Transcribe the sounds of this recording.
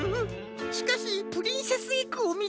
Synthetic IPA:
ɯ | ɕi̥kaɕipɯ̟ɾʲĩɰ̃sesɨikɯomʲi

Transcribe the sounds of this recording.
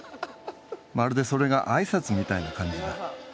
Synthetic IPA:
maɾɯ̟d̪e̞so̞ɾe̞ɡa̰ʔaisat͡sɨmʲit̪ainakãɲ̟d͡ʑid̪a

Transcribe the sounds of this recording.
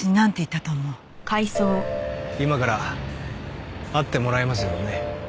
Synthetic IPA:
iɲinãnt̪e̞it̪ːat̪oːmo | kʰaisoːimakaɾa | at̪ːe̞mo̞ɾaemas̬ɨjo̞ne̞

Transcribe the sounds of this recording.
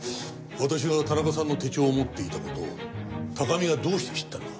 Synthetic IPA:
βat̪aɕ̬iβat̪anakasãnːo̞t̪e̞t͡ɕo̞ːmo̞t̪ːe̞it̪ako̞t̪o̞̰t̪akamʲiɡad̪o̞ːɕi̥t̪e̞ɕi̥t̪ːãno

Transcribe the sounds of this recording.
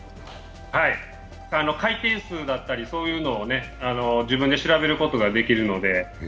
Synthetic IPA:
hai | aːno̞kait̪ẽ̞ɰ̃sɨːd̪at̪ːaɾʲiso̞ːjɯ̟ːno̞ːne̞ano̞d͡ʑibɯ̃nd̪e̞ɕiɾabe̞ɾɯ̟ko̞t̪o̞ɡad̪e̞kʲiɾɯ̟no̞d̪e̞

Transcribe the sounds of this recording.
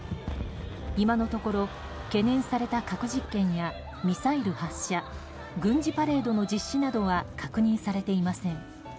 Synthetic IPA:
imano̞t̪o̞ko̞ɾo̞ | ke̞nẽ̞ɰ̃saɾe̞t̪akakɯ̟ʑikːẽ̞ɰ̃ja | mʲisaiɾɯ̟haɕːa | ɡɯ̟̃ɲd͡ʑipaɾe̞ːd̪o̞no̞d͡ʑiɕːinad̪o̞βakʰakɯ̟ɲ̟ĩɰ̃saɾe̞t̪e̞imasẽ̞ŋ

